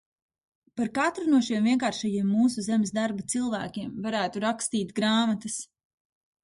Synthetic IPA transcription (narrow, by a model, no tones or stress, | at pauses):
paɾkat̪ɾunuɔʃiɛmviɛkaːɾʃajiɛmːuːsuzemesd̪aɾbat̪silˠvæ̰ːkʲiɛmvaɾæːt̪uɾakst̪iːt̪ɡɾaːmat̪ɐs